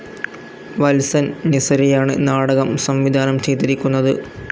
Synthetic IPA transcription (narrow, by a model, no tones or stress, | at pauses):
ʋɐlsɐnnisɐɾijaːɳɨ̰naːɽɐɣɐmsɐmʋid̪ʱaːnɐmt͡ɕʰeːt̪ːiɾikʲːunːɐðɨ